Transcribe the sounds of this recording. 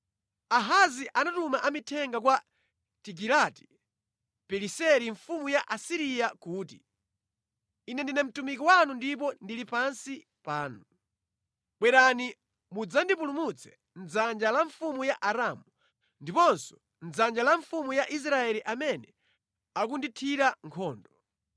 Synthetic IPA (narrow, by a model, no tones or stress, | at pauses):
aɦaziʔanatumaʔamitʰɛŋɡakwa | tik̬ilati̥ | pɛlisɛɾiɱfumujaʔasiɾijakuːti | inɛndinɛm̩tumik̬iwanundipɔndilipansi | paːnu | ɓwɛɾani | mud͡zandipulumut͡sʰɛ̥ | nd͡zand͡ʒalaɱfumujaʔaɾamu | ndipɔnsɔ̥ | nd͡zand͡ʒalaɱfumujaʔis̬ɾaɛliʔamɛnɛ | ak̬unditʰiɾaŋkʰɔːndɔ